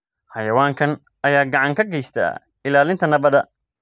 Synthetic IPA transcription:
ħɐjɐwaːŋkʰɐn | ʔɐjaːɡɑʕɑŋkʰɐɡɛjst̪ʰa̰ː | ɪlaːlɪnt̪ʰɐnɐβɐðɐ

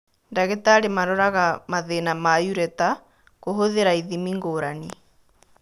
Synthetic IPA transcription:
ndaɣetaːɾemaɾɔɾaɣamaðenamajuɾɛta | ɣoɦoðeɾaiðimiŋɡoːɾani

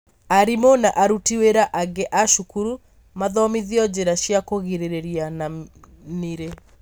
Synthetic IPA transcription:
aɾimonaʔaɾutiweɾaʔaɡeʔaʃukuɾu | maðɔmiðiɔd͡ʑeɾaʃjakoɣiɾeɾeɾiana | niɾe

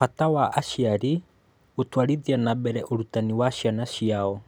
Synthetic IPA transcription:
atawaʔaʃiaɾi | otwaɾiðianabɛɾɛʔoɾutaniwaʃianaʃiaɔ

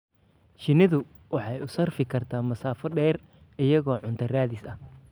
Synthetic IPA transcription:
ʃɪnɪðʊ | wɑħɑjʊsɐrfɪkʰɐrt̪ʰaːmɐsaːfɔɖɛːr | ɪjɐɣɔːʕʊnt̪ʰɐraːðɪsɐh

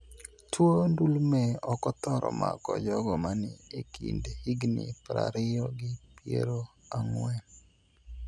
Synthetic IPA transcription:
tʰwondulmeɔkɔt̪ɔɾɔ̰mʔakɔd͡ʒɔɡɔmanɪekʰḭndhiɡnɪpɾa̰ɾɪjɔɡɪpjḛɾoaŋwɛ

